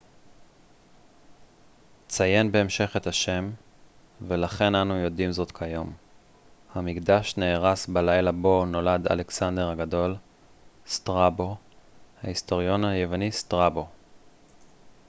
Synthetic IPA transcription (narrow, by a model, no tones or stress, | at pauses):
t͡saje̞nbe̞ːmʃe̞χe̞t̪haʃe̞m | ve̞laχe̞nanujo̞dimzo̞t̪kʰajo̞m | hamikdaʃneːʁasbalajlabo̞no̞lada̰le̞ksande̞ʁhaɡado̞l | stʁabo̞ | ha̰ist̪o̞ʁjo̞naje̞vanistʁabo̞